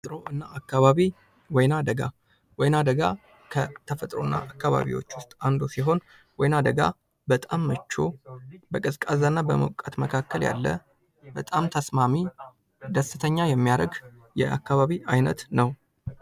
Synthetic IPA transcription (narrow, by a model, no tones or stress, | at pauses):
t̪ʼɾo̞ʔɨnːaakːaβaβi | wɔjnad̪əɡa | wɔjnad̪əɡa | kʰət̪ʰəfət̪ʼɾonːa̰ʔakːaβa̰βḭwo̞̰t͡ʃːwʊst̪ʼand̪o̞siɦo̞n | wɔjnad̪əɡa | bət̪ʼamːət͡ʃːo̞̰bəkʼɨskʼazanːabəmə̰wkʼat̪məkʰakːəlja̰lːə̰ | bət̪ʼamt̪ʰəsmami | d̪əsɨt̪ʰəɲːajɛmːijaɾəɡ | jɛ̰ʔa̰kːaβaβiajnət̪nəw